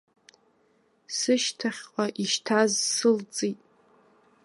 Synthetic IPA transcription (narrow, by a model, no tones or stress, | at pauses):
sɨʃtʰaχʲqʷʼaʔiʃtʰazsɨlt͡sʼitʼ